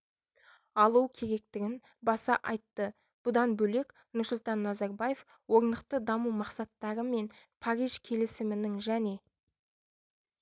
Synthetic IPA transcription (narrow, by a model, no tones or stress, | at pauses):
ɑlˠukʲʰe̞ɾe̞k̚t̪ɪɡʲɪn | bɑsɑ̰ʔɑjt̪ːə | b̥ʊd̪ɑnbɵle̞k | nʊɾsʊlˠt̪ɑnːɑzɑɾbaje̞f | wo̞ɾnd̪əq̚t̪əd̪ɑmumɑqsɑt̪ːɑɾəme̞npʰaɾijʒ̥kʲʰe̞lɪsɪmɪnɪŋʒæne̞